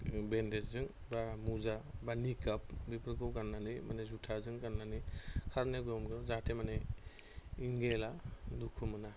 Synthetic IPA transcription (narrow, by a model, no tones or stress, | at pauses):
bendeszɯŋ | bamuzabanikap̚bipʰɾkɯwɡanːanimanezutʰazɯŋɡanːanikʰaɾneɡɔmɡɯzatʰemane | iŋɡeladukʰumɯna